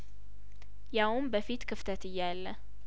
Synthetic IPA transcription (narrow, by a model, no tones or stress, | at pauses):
jawʊmbəfit̪kʰɨft̪ʰət̪ɨjːalːə